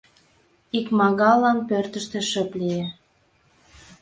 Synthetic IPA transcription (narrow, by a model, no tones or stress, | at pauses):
ikmɑɣɑlɑnpørt̪ə̆ʃt̪ĕʃə̆plije